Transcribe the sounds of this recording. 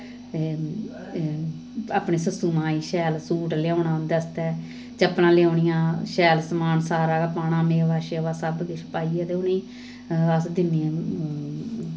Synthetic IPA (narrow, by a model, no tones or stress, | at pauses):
e | aːpɳeːsəsuːmãːiːʃɛːlsuːʈljaõːɳãːd̪əst̪ɛː | t͡ʃəpnãːlejaːɳɪjãːʃɛːlsəmaːnsaːɾaːkapaːñãːmeːʋaːʃeːʋaːsəbkeʃəpaːiːɛt̪eːʊnĩː | əsd̪ɪnːẽ